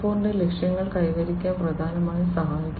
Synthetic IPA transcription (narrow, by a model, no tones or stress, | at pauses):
foːndelekʂjɐŋːɐɭkɐjʋɐɾikʲːaːnprɐd̪ʱaːnɐmaːjisɐɦaːjikʲː